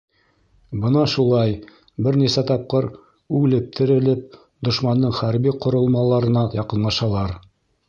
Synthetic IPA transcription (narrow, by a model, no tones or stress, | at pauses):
bɤnɑʃulˠɑj | bɘɾnisæt̪ɑp̚qɤɾ | ʉlɘ̆p̚t̪ʰɘ̆ɾɘ̆lɘp̚ | d̪ŏʃmɑnd̪ɤɴχæɾbiqŏɾŏlˠmɑlˠɑɾɤ̆nɑjɑqɤ̆nlˠɑʃɑlˠɑɾ